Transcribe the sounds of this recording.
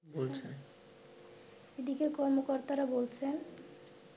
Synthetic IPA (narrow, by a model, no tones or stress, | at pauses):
bolt͡ɕʰen | eɖikekɔɾmokɔɾt̪aɾabolt͡ɕʰen